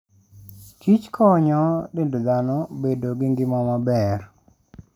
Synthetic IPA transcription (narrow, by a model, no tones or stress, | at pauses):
kit͡ʃkʰɔɲɔdendod̪anɔbedoɡɪŋɡɪmɔmabɛr